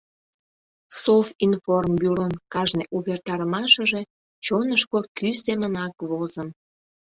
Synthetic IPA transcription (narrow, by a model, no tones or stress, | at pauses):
sofinformbyɾonkɑʒneʔuβert̪ɑɾəmɑʃəʒe̽ | t͡ɕonəʃkokysemənɑkβozəm